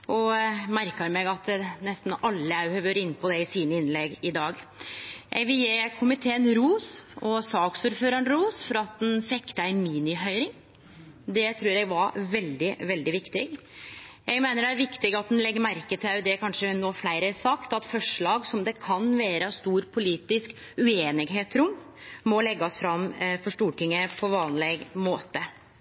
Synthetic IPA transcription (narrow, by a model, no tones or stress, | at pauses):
ʔɔmæɾkəɾmɛɡɑt̪nɛst̪n̩ɑlːəæhœʋəɾɪnːpʰɔd̪ɛɪsiːnəɪnlɛɡɪd̪ɑːɡ | jʔɛ̰ɪɡʋɪljeːkʰʊmɪt̪ʰeːənɾuːsɔsɑːksuɾføːɾɑɳɾuːsfɔɾɑt̪̚d̪ɛnfɛkːt̪əæɪmiːnɪɦœʏɾɪŋ | d̪ɛt̪ʰɾʉːɾɛɡʋɑɾʋɛld̪ɪʋɛld̪ɪʋɪkt̪ɪɡ | jɛɡmeːnəɖɛæɾʋɪkt̪ɪɡɑt̪̚d̪ɛnlɛɡːəɾmæɾkət̪ʰɪʉd̪ɛkʰɑnʂənoːflæɪɾəsɑkt̪ɑt̪fɔʂɭɑːɡsɔmd̪ɛkʰɑnʋeːɾəst̪uːɾpʰʊliːt̪ɪsk | ʉeːnɪɡɦeːt̪ɾʊm | mɔlɛɡːɑsfɾɑmfɔʂʈuːʈʰɪŋːəpʰɔʋɑːnlɛɡmoːt̪ə